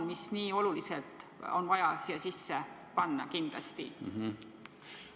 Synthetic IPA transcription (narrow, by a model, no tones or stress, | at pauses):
nmisniːo̞luliselt̪ˑo̞nvɑjɑsijɑsisːe | pɑnːɑ̰kind̪̥lɑ̰st̪ḭ